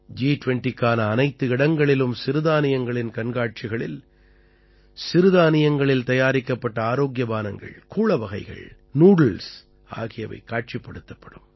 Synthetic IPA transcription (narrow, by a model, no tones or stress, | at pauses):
d͡ʒiːʈʊʋɛɳʈikːaːnɐːnɐɪt̪ːɯɪɽɐŋɡɐɭɪlɯmsɪɾɯðaːnɪjɐŋɡɐɭɪnkɐɳɡaːʈ̚t͡ʃɪɣɐɭɪ̰l | sɪɾɯðaːnɪjɐŋɡɐɭɪlt̪ɐjaːɾɪkːɐpːɐʈːɐaːɾoːɡjɐbaːnɐŋɡɐ̰ɭkuːɭɐʋɐɣɐɪɣɐ̰ɭ | nuːɽɐls | a̰ːɣɪjɐʋɐ̰ɪkːaːʈ̚t͡ʃɪpːɐɽɯt̪ːɐpːɐɽɯm